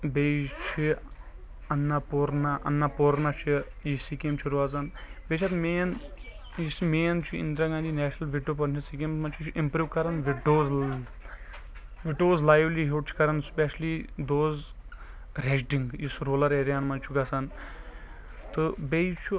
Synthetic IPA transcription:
bejt͡ʃʰi | ɐnːapoɾnaʔɐ̰nːapoːɾnat͡ʃʰi | jisikemt͡ʃʰiɾuaːzanbet͡ʃʰɐt̪meːn | jismeːnt͡ʃʰuḭnd̪ɾɐɡãnd͡ʒ̪inɛːʃnɐlʋiɖop̬ɐɾnt͡ʃʰisikemmɐnt͡ʃʰut͡ʃʰʔimpɾuːʋkɐɾɐnʋiʈoːz | ʋiʈoːzlaːjʋliɦeʈ̚t͡ʃʰkɐɾɐnspeʃlid̪oːz | ɾeʃ̬ɖiŋɡjisɾoːlɐɾeːɾjaːnmɐnt͡ʃʰuɡɐsan | t̪ubejt͡ʃʰu

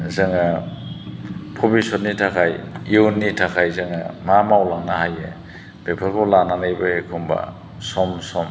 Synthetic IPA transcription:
zɯŋa | pʰɔbisɔtnitʰakʰajionnːitʰakʰajzɯŋa̰mamawlaŋnahaje | bepʰakʰɔlananɯjbaekʰumba̰ | sɔmsɔm

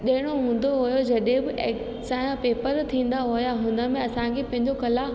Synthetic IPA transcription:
ɗɐɦɪɽ̃oɦũːn̆d̪oɦʊjod͡ʑɐɗẽbɪʔek | saːjãpeːpəɾt̪ʰĩːn̆d̪aɦʊjaɦʊ̃nə̆mẽɐsãkʰepɐ̃ɦɪ̃ɲd͡ʑokɐla

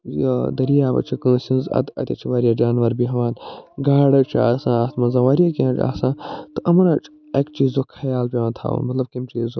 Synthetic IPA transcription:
jo̰d̪ɐɾijaːbɐ̰t͡ʃʰikə̃ːsʲĩnzɐ̰t̪ɐ̰t̪ʲɐt͡ʃʰiʋaːɾijɐd͡ʒaːnʋɐɾbiɦɐʋaːnɡaːɽɐt͡ʃʰa̰ːsãːast̪mɐnzɐ̃ʋaːɾijakĩnɐt͡ʃa̰ːsãːt̪ɨʔɐmɐɾɐt͡ʃʰ | ekt͡ʃizokʰɐjaːlpʲeʋãːt̪ʰa̰ːɐ̰nmɐt̪lɐb̚kimt͡ʃizo

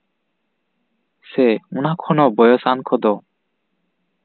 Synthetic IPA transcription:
sɛunakʰɔnɔbɔjɔsankʰɔd̪ɔ

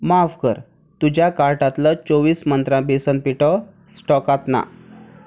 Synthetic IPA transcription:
mafkəɾ | t̪ud͡ʑjakaɾʈat̪lət͡soʋiːsmənt̪ɾãbesənpiʈə | sʈɔkat̪na̰

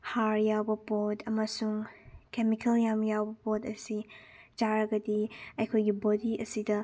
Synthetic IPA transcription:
haɾjawbɐpotʰɐmɐsuŋkemikʰeljamjawbɐpotɐsid͡ʒaɾɐɡɐdiɐjkʰojɡibodiʔɐsidɐ

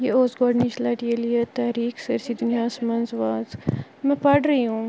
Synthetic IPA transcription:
jeoːsɡoːɖniʃlɐʈielijet̪ɛːɾiːksɐɾsiːd̪ʊnijaːsmɐnzʋaːzmɛ̃pɐʈɾɐiɦũː

